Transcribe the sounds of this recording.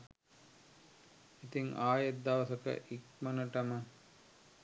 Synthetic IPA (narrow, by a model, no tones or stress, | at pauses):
it̪iŋaːjet̪̚d̪aʋəsəkə̰ʔik̚mənəʈəmə